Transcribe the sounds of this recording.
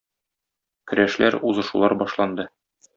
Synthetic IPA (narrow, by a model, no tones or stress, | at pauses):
kɵ̆ɾæʃlæ̰ɾuzɤ̆ʃulˠɑɾbɒʃlˠɑnd̪ɤ